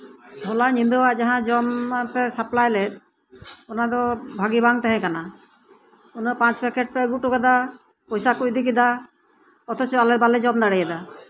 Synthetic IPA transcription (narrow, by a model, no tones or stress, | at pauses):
bʱɔlaɲind̪uwaʔd͡ʒaɦãd͡ʒɔmpɛsaplajlɛt̪̚ | ɔnad̪ɔbʱaɡibaŋt̪ɛɦɛ̃kana | unɔpãt͡ʃbɛkɛʈ̚pɛɡuʔʈuɡad̪a | pɔjsakuc̚d̪ikid̪a | ɔt̪ɔt͡ʃɔalɛbalɛd͡ʒɔmd̪aɽɛjɛd̪a